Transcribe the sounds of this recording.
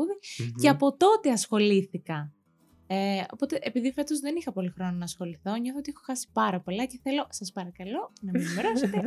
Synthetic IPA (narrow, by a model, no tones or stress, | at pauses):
uðiceɐpo̞t̪o̞t̪eɐsxo̞liθikɐ | eo̞̰po̞t̪e̞ʔepiðife̞t̪o̞zðe̞nixɐpo̞lixɾo̞nɐnɐːsxo̞liθo̞ɲoθoot̪iexoxɐsi̥pɐɾɐpo̞lɐce̞θe̞lo̞sɐspɐɾɐkɐlo̞nɐminmeɾoset̪e